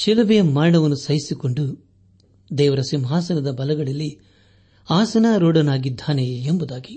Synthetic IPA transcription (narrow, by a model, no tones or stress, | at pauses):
ʃilɐʋejɐmaːɾɳɐʋɐnːusɐjisiko̞ɳɖu | d̪ɛːʋɐɾɐsimɦaːsɐnɐd̪ɐbɐlɐɡɐɭɐlːi | aːsɐnaːɾoːɽɐnaːɡid̪ʱːaːneembud̪aːɡi